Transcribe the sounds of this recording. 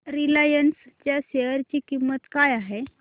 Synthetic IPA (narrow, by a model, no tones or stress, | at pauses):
ɾilajənst͡ɕjaɕeəɾt͡ɕiːkimːət̪kajaɦe